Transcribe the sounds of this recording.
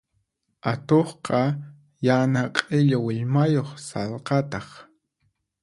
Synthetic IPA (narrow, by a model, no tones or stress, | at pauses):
at̪oχqɑ | janaqʼɪʎawɪʎmajoχsɑlqɑt̪ɑχ